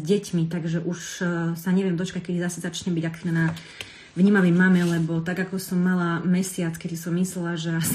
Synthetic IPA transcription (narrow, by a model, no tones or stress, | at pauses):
zɟɛcmit̪aɡʒɛʔuʃsaɲɛʋɪɛmd̪ɔt͡ʃkac̚kɛd̪izasɛzat͡ʃɲɛbiɟak̪ɛna | ʋɲiːmaʋɛjmamɛlɛbɔt̪aɡakɔsɔmːalamɛsɪat͡skɛd̪isɔmːislɛlaʒɛas